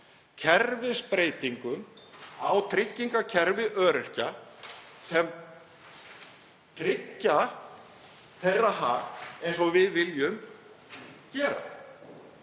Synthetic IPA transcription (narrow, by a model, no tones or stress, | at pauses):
cʰɛɾvɪðspɾeːjt̪iŋkʏmawt̪ʰɾɪcːiŋkacʰɛɾvɪðʔœːɾɪr̥ca | sɛm | t̪ʰɾɪcːa | θejraɦaːxɛnsɔvɪðvɪljʏm | cɛːɾa̰